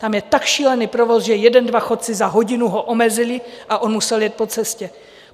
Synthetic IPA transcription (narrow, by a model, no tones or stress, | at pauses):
t̪amjɛt̪akʃiːlɛniːpɾovo̞sʒɛjɛdɛndvaxo̞t̪̚t͡sɪzaɦo̞ɟɪnuɦoʔomɛzɪlɪʔaʔo̞nmusɛljɛt̪̚po̞t͡sɛscɛ